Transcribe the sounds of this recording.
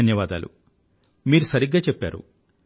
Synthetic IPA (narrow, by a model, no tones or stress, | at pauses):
ɐnjɐʋaːd̪aːlṵ | miːɾusɐɾiɡːaːt͡ʃɛpːa̰ːɾṵ